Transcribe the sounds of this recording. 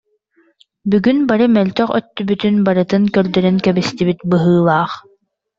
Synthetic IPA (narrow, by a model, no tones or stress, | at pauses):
byɡynbaɾɯmɛlʲt̪œχœ̰t̪ːybyt̪ynbaɾɯt̪ɯnkœɾd̪œɾynkɛbist̪ibit̪bɯɦɯːlˠaːχ